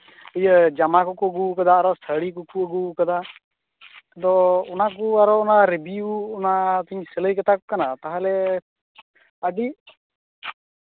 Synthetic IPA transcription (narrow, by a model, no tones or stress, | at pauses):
əjəd͡ʒamakɔkuɡukəd̪aːɾɔst̪ʰəɽikukuəɡukəd̪a | t̪ɔɔnakuaɾɔːnaɾebiuːnat̪uɲsɛləjkət̪ʰakɔkanat̪aɦalɛ | əɖi